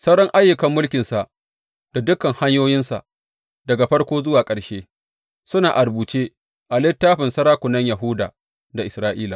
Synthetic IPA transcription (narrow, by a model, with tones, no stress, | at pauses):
sɐ˦wɽɔ˦ŋʔa˦jːʊ˨kɐ˨mːʊ˦lkʲɪ˨nsa˨ʔ | d̥a˨dʊ˦kːɐ˨ŋha˦ɲjoː˦jɪ˦nsa̰˨ʔ | dɐ˨ɡa˨ɸɐ˦ɽkʷoː˦zʊ˦waː˨kʼɐ˨ɽʃeː˦ | sʊ˦naː˨ʔa˨ɾbuː˨t͡ʃeː˦ | ʔa˨lɪ˦tːaː˦ɸɪ˨nsɐ˦ɾaː˦kʷʊ˨nɐ˦ɲja˨ɦʊ˦da̰ː˨ | da˨ʔɪ˨sɾaː˦ʔiː˦la˨